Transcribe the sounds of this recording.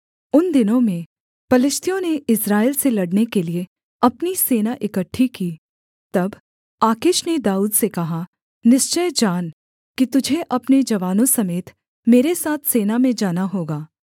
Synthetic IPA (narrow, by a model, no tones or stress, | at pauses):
ʊnd̪ɪnõmẽ | pɐlɪst̪ʰijõneɪsɾaːɪlselɐɽnekelie | ɐpniseːnaʔɪkəʈʰːikiː | t̪ɐb | aːkɪʃned̪aːuːd̪sekɐɦa | nɪʃt͡ʃəjd͡ʒaːn | kit̪ʊd͡ʒʱeʔɐpned͡ʒɐʋaːnõsɐmeːt̪ʰ | meːɾesaːt̪ʰseːnamẽd͡ʒaːnaɦoːɡaː